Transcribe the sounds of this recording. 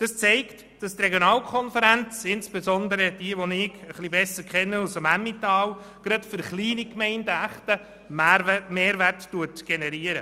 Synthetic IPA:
d̥ɑst͡sɛɪkt | d̥ɑst̪reɡjonɑːlkʰɔnfəɾænt͡sɪnsb̥ezɔnd̪əɾəd̥iəʋɔnɪɡəχlibɛsəɾkχɛnːəɑlsɑmæmːitɑːw | ɡ̥ɾɑtfʏɾχliːnikmɛɪndəæχtə | mmeːɾʋærttuətɡ̥enɛɾiəɾə

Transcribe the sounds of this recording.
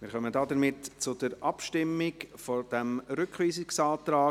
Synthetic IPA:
mɪːɾχœmədɑːdəɾmɪtt͡sʊdəɾʔɑpʃtɪmːɪkfod̥ɛmɾʏkχʋiːsɪksɑːt̪ɾaː

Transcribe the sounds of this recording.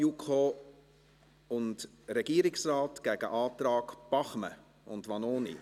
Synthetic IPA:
ukʰoː | ʊnd | ɾɛɡ̥iːɾɪksraːtɡ̥ɛɡ̥əʔɑːtɾɑːkb̥ɑχmə̰ | ʊndʋɑnoːnḭ

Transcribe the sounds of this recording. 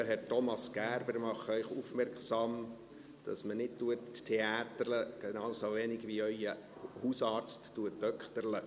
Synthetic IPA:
əɦɛɾtɔmɑsɡ̥æːɾbəɾmɑχəœʏχufmɛrksɑm | d̥ɑ̰smənɪd̚tuətttʰeɑːt̪əɾləɡ̥enɑːʊwsovenɪɡʋiœʏə | husɑːɾt͡sttuətdœkχt̪əɾlə

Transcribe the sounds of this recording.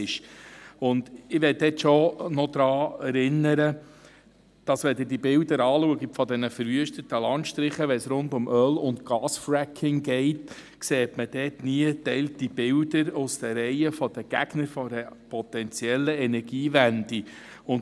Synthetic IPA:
ɪʃʊnd̥ɪʋɛt̚dɛtʃɔnɔd̪ɾɑːɛɾɪnːəɾə | d̥ɑsʋɛd̪ɪdibɪldəɾɑːluəɡitfɔd̪ɛnəfəɾʋyəʃtətəlɑnt̪ʃtɾɪχəʋɛsɾʊndʊmʔœlʊntɡ̥ɑːsfɾækʰːɪŋɡɛɪt | kseːtməd̥ɛːtniətɛɪltib̥ɪldəɾʊsd̥̪əɾɛɪəfɔd̥əɡ̥æ̰ɡ̥nəɾfɔdəpʰɔt̪ɛnt͡sjɛlːəɛnɛɾɡ̥iːvændi | ʊn

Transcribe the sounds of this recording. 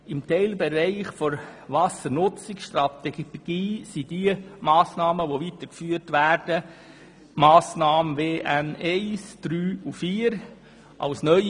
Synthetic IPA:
ɪmtʰɛɪlbɛɾɛɪχfɔɾvɑsəɾnʊt͡sɪksʃtɾɑt̪ɛɡ̥iːsid̥iəmɑːsnɑːməʋoviːt̪əkfyːəɾtʋæːɾd̥ə | maːsnɑːməveːʔænɛɪsd̥ɾyːufiːɾ | ʔɑ̰lsnœʏ

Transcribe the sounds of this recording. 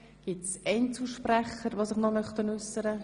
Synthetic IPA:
ɡ̥itsɛɪnt͡suʃprɛχəɾʋoːsɪχnɔmœχt̪ənʉsːəɾə

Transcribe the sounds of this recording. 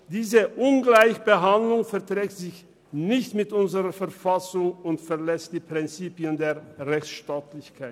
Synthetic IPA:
d̥iːzəʔʊnɡlaɪçb̥əɦandlʊŋfɛɐtʁɛːk̚tz̥ɪç | nɪçtmɪtʔʊnzəʁɐfɛɐfasʊŋʊntfɛɐlɛst̚d̥iːpʁ̥ɪnt͡siːpjəndeːɐʁɛçt͡sʃtaːtlɪçkʰaɪt

